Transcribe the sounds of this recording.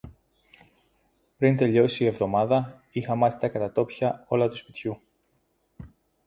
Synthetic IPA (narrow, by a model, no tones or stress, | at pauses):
pɾint̪e̞ʎo̞siie̞vðo̞mɐðɐ | ixɐmɐθi̥t̪ɐkɐt̪ɐt̪o̞pçɐo̞lɐt̪uspit̪çu